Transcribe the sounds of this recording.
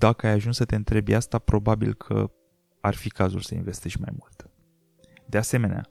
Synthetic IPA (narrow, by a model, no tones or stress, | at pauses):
d̪akəajaʒunsət̪e̞ɨnt̪ɾe̞bjast̪apɾo̞babilkʰə̰ | arfikazulsəḭnve̞st̪eʃʲma̰jmult̪ | d̪e̞ase̞me̞nea̰